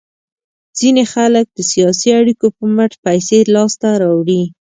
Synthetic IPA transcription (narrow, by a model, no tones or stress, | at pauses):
z̥inexalək̚d̪̥əsijɑsiaɽikopəməʈpajselɑst̪aɾɑwɽi